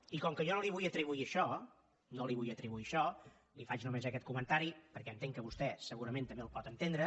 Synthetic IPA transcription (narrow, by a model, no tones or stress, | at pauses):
ikɔŋkəʒɔnoliβujət̪ɾiβuiəʃɔ | noliβujət̪ɾiβuiəʃɔ | lifat͡ʃnumezəkɛt̪̚kumənt̪aɾipəɾkɛənt̪eŋkəβust̪ɛsəɣuɾəment̪əmbelˠpɔt̪ənt̪end̪ɾə